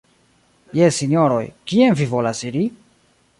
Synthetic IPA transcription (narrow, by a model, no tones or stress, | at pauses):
jesːinjo̞ɾo̞̰jkienvivo̞lasiɾi